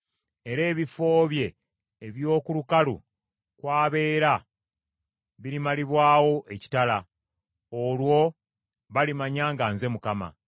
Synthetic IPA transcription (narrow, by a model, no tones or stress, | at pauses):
e̞ɾe̞ːβifo̞ːβje̞ː | βjo̞ːkulukalṵ | kwaːβe̞ːɾa | βiɾimaliβwaːwo̞ʔe̞ci̥tala | olwo̞ | βalimaɲaːŋɡaːnze̞mukama̰